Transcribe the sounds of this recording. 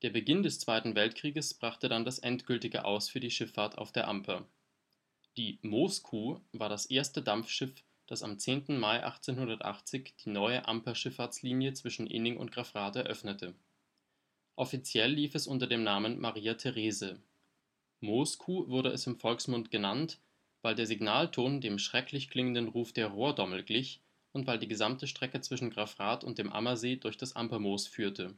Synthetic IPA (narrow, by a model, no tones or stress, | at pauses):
d̥eːɐbəɡɪndɛst͡sv̥aɪtn̩vɛltkʁ̥iːɡəsb̥ʁaχtədandasʔɛntɡ̥ʏltɪɡə̰ʔa̰ʊsfyːɐdiːʃɪfaːɐta̰ʊfd̥eːɐʔampʰɐ | d̥iːmoskʰuːvaːɐɾasʔeːɐstədamp͡fʃɪf | d̥asa̰mt͡seːntn̩maɪʔa̰χt͡seːnhʊndɐtʔa̰χt͡sɪçd̥iːnɔʏəʔa̰mpɐʃɪfaɐt͡sliːnjət͡sv̥ɪʃn̩ʔɪ̰nɪŋʔʊ̰ntɡ̥ʁafʁ̥aːtɛɐʔœfnətʰə | ʔɔfit͡sjɛlːiːfɛsʔʊntɐdeːmnaːmənmʔaʁiːatʰeʁeːzə | moːskʰuːvʊɐɾəʔɛsɪmfɔlksmʊntɡ̥ənant | vaɪldeːɐziɡnaːltʰoːndeːmʃʁ̥ɛklɪçkl̥ɪŋəndənʁuːfd̥eːɐʁoːɐdɔml̩ɡlɪç | ʔʊntv̥aɪldiːɡəzamtəʃtʁ̥ɛkət͡sv̥ɪʃn̩ɡʁafʁaːtʊ̰nt̚d̥eːmʔa̰mɐzeːdʊɐçd̥asʔa̰mpɐmoːsfyːɐtʰə